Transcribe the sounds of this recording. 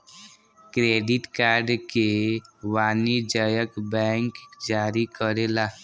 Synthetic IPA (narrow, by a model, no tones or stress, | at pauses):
kɾeːɖɪʈkaːɾɖkewaːnid͡ʒajəkbɛ̃ːŋkd͡ʒaːɾikəɾelaː